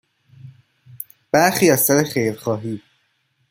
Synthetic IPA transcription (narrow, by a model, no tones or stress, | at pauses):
b̥æɾxiːæst̪æɾexejɾxɒːɦiː